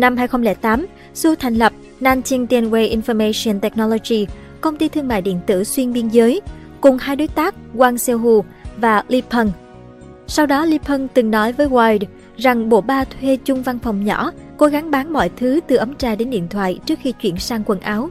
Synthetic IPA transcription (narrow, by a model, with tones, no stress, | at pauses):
na˧mɦaː˧jxə˧ŋ͡mlɛ̰ː˧˩t̪aː˨˦m | su˧t̪ʰa˨˩jŋ̟lə˨˩p̚ | naː˧nt̪i˧nt̪ɛ˧nwe˧jʔi˧nfɔ˧me˧si˧ə˧nt̪ɛ˨˥k̚nɔ˧lo˧zi˧ | kə˧wŋ͡mt̪i˧t̪ʰɨ˧əŋma̰ː˧˨jɗḭ˧˨ənt̪ɨ̰˧˩swi˧ənɓi˧ənzəː˨˦j | kʊ˨˩ŋ͡mhaː˧jɗo˨˦jt̪aː˦˥k̚ɣwaː˧nsɛ˧wɦu˧ | vaː˨˩li˧pʰə˧n | sa˧wɗɔ˨˦li˧pʰə˧nŋt̪ɨ˨˩ŋnɔ˨˦jvəː˨˦jwaː˧jd | za˨˩ŋɓo̰˧˩ɓaː˧t̪ʰwe˧t͡ɕʊ˧ŋ͡mva˧nfə˨˩wŋ͡mɲɔ̰˧˩ko˨˦ɣa˨˦ŋɓaː˨˦ŋmɔ̰˧˨jt̪ʰɨ˨˦t̪ɨ˨˩ʔə˨˦mt͡ɕaː˧ɗe˨˦nɗḭ˧˨ənt̪ʰwa̰ː˧˨jt͡ɕɨ˦˥ək̚xi˧t͡ɕwḭ˧˩ənsaː˧ŋkwə˧˩nʔaː˨˦w